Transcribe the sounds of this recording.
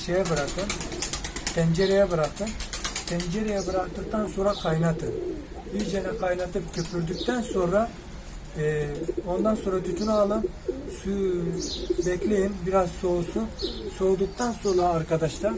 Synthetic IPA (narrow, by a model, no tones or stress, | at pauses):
ʃejɛbɯɾakɯm | pʰɛnd͡ʒeɾejɛbɯɾakt̪ʰɯmpʰɛnd͡ʒeɾejɛbɯɾakt̪ɯk̚t̪ʰanso̞nɾakʰajnat̪ʰɯ | biɾd͡ʒenɛkʰajnat̪ʰɯpcʰøpʰyɾd̪yc̚ʲt̪ʰænso̞nɾa | o̞nd̪anso̞nɾat̪ʰyt̪ʰynalˠɯm | sy | bɛclʲejimbiɾazso̞ususo̞ːd̪uk̚t̪ʰansonɾaːɾkad̪aʃt̪ʰa